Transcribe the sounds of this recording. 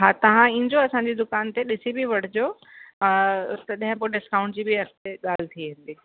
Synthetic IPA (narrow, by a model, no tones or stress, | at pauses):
ɦaːt̪ɐʋ̤ãĩːɲd͡ʑoɐsãɲ̆d͡ʑid̪ʊkaːnt̪eɗɪsibʱiʋɐɽ̤ɪd͡ʑo | t̪ɐɗɪ̃ɦɪ̃poɖɪskaːʊ̃ɳʈd͡ʑiːbʱiɐkt̪eɠaːlɪt̪ʰiɦɪ̃ːn̆d̪iː